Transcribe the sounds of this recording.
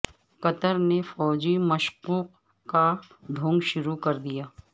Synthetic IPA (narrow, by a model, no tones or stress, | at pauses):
kɐt̪əɾnefɔːd͡ʒimɐʃquːq | ka | d̪ʱʊ̃ːŋɡʃʊɾukɐɾd̪ijaː